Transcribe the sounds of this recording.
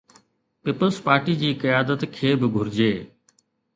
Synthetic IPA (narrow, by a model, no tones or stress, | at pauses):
pɪːpəlspaːɾʈid͡ʑiːkɐjaːd̪ət̪kʰeːbɪɡʱʊɾɪd͡ʑeː